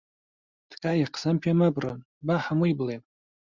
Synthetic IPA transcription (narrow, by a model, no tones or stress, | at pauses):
d̥kʼajaqʰzampʰamabran | baħamuiblejn